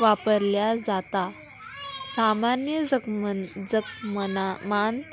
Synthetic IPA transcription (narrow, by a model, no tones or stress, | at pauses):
ʋapəɾljad͡zat̪a | samanjəd͡zəd͡zəkmmant̪